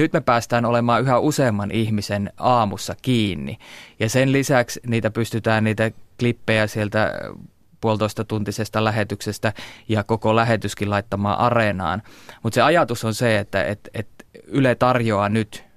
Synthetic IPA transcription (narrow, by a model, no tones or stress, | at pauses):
nyt̪mepæːst̪æːnolemɑːyhæuseːmːɑnʔihmisenɑːmusːɑkiːnːḭjɑsenlisæksniːt̪æpyst̪yt̪æːnniːt̪æklipːejæsielt̪æ̰ | puolt̪oist̪ɑt̪unt̪isest̪ɑlæhet̪yksest̪æjɑkokolæhet̪yskilɑit̪ːɑmɑ̰ːʔɑrenɑ̰ːnmut̪seɑjɑt̪usonseet̪ːæ̰ḛt̪ḛt̪ylet̪ɑrjoɑnyt̪